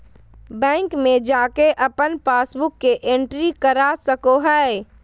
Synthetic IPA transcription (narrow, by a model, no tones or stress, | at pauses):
bɛ̃ːŋkmẽd͡ʒaːkeʔɐpənpaːsbʊkːeʔẽɳʈɾikəɾasəkoɦɛ